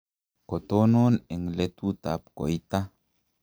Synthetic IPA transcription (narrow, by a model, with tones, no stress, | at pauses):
ko˨t̪o˦no˦nɛ˨ŋle˦tu˦t̪a˨p̚ko̰˨jt̪a˦